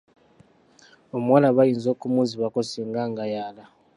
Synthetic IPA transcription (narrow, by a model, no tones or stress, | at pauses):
omuwalaβajiːnzoːkumuziβakosiːŋɡaŋɡajaːla